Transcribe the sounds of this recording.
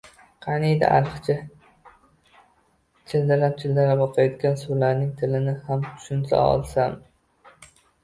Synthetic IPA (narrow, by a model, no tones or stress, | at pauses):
qʰɑnid̪a̰ʔa̰lɨqt͡ʃʰa | t͡ʃʰɪld̪aɾap̚t͡ʃʰɪld̪aɾapɒqʰɑjɒt̪ɡʲansolaɾnɪŋt̪ʰɪlɪnɪhamt̪ʰʊ̥ʃʊnsa̰ɒ̰lˠsam